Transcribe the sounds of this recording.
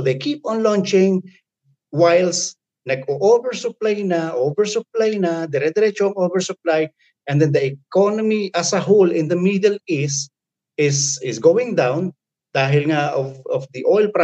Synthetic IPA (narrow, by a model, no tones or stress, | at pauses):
d̪ejkip̚ɔ̃nlɔ̃nt͡ʃɪ̃ŋ | wajls | nɐɡoʔovɛɹsʊplajnaʔovɛɹsʊp̚lajnad̪ɛɾɛd̪ɛɾɛt͡ʃoŋovɛɹsʊplaj | ʔɛnd̪ɛ̃nd̪ɐʔɛkonomiʔɐsɐɦolɪ̃nd̪ɐmiːd̪ɛlɪs | ɪsɪsɡowɪ̃ŋd̪ãwn | d̪̥aːɦɪlŋaʔofɔfd̪iʔojlpɾa